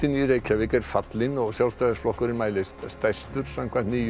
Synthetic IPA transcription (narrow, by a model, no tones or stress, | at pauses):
ɪnirejkhɛvɪkɛɾ̥fat̪lɪnɔɣsjalst̪ajðasflɔhkʏɾɪnmaːjlɪst̪st̪ajst̪ʏɾ̥samkʰvant̪niː